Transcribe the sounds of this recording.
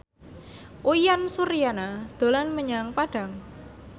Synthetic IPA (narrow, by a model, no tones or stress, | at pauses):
ʔuijansuɾijanad̪̥o̤lanməɲaŋpaɖ̥a̤ŋ